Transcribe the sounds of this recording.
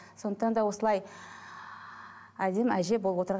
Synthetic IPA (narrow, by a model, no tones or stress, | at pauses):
so̞nd̪əqt̪ɑnd̪ɑwo̞səlˠɑj | æd̪e̞mæʒe̞bolˠəpwo̞t̪əɾʁ